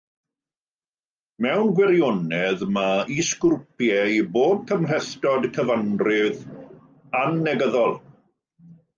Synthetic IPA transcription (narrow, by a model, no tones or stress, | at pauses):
mɛwnɡwɛɾjɔnɛðmaiskʊrpjɛjboːb̚kʰəml̥ɛθtɔdkʰəvanrɪð | anːɛɡəðɔlˠ